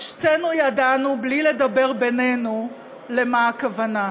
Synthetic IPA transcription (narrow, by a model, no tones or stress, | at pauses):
ʃtenujadanublile̞d̪abe̞ʁbene̞nu | le̞maːkavana